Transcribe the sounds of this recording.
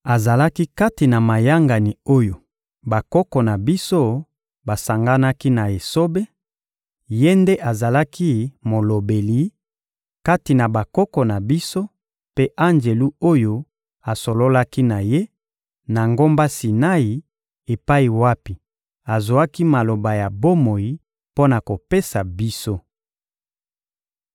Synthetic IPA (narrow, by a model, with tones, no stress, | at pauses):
a˨za˨la˦ki˦ka˦ti˨na˨ma˨ja˦ŋɡa˨ni˨o˦jo˨ | ba˨kɔ˦kɔ˨na˨bi˦so˦ | ba˨sa˨ŋɡa˦na˦ki˦na˨e˨so˦be˦ | je˦nde˦ʔa˨za˨la˦ki˦mo˨lo˨be˨li˨˦ | ka˦ti˨na˨ba˨kɔ˦kɔ˨na˨bi˦so˦ | pe˦ʔa˦nd͡ʒe˨lu˦o˦jo˦ | a˨so˨lo˦la˦ki˦na˨je˦ | na˨ŋɡo˦mba˦si˨na˦ji˨ | e˨pa˦i˨wa˦pi˨ | a˨zo˨a˦ki˦ma˨lo˨ba˨ja˨bo˦mo˨ji˨ | po˦na˨ko˨pe˦sa˨bi˦so˦